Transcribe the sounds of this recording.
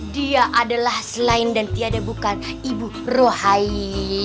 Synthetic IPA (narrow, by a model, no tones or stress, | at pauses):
diaʔadalahsəlaɪndant̪iadabukan | ibu | rohai